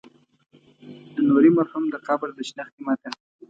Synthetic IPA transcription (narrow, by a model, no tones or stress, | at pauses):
d̪ənoɾimaɾhumd̪əqɑbɪld̪əʃnaxt̪imɑt̪əl